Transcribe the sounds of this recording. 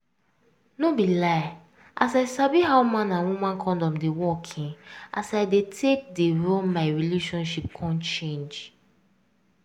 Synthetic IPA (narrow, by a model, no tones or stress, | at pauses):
nobilaɪ | ʔasaɪsabiɦawmãnãnwumãnkʰɔ̃ndɔ̃mdewɔkʰĩnʔasaɪdetʰek̚deɹolmaɪɹileʃɔ̃nʃip̚kʰɔ̃nt͡ʃẽnd͡ʒ